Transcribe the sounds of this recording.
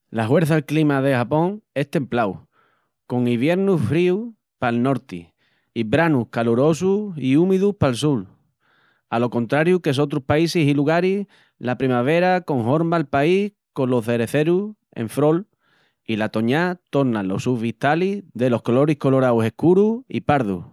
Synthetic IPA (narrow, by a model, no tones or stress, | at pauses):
laɦwe̞ɾθalklimaðe̞hapõ̞ŋe̞ht̪ẽ̞mplaw | ko̞ŋiβ̞je̞ɾnufɾiu | palno̞ɾt̪ḭ | ibɾanuhkaluɾo̞s̬uiumiðuhpalsul | alo̞ko̞nt̪ɾaɾjukes̬o̞t̪ɾuhpaisisiluɣaɾi | lapɾimaβ̞e̞ɾako̞ŋɦo̞ɾmalpaih | ko̞nlo̞ðe̞ɾe̞θe̞ɾu | ḛɱfɾo̞l | ilat̪o̞ɲat̪o̞ɾnalo̞suβit̪aliðe̞lo̞hkolo̞ɾihko̞lo̞ɾawse̞hkuɾuḭpaɾðṵ